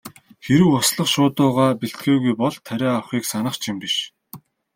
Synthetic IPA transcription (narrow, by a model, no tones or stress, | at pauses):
xeɾɘ̆wʊsɮə̆χʃʊːt̪ʊːʁaːpiɬt̪ɡeːɣujpɔɮt̪ʰːæɾʲaːawχiːksanə̆χt͡ɕʰimpiʃ